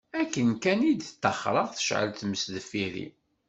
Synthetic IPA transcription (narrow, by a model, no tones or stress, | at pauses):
ækːənkænid̪t̪ːə̰χɾˤəʁθə̥ʃʕə̰lt̪məsðəfːiɾḭ